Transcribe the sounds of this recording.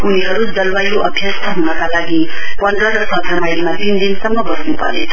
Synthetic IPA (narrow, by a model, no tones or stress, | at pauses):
uniɦʌɾud͡zʌlwajoʔʌbʱjʌst̪ʰʌɦunʌkalaɡi | wʌɳɖʌʌsʌ̃k̪ʰamajlmat̪ind̪insʌmːʌɡʌsnupʌ̰ɾḛʌ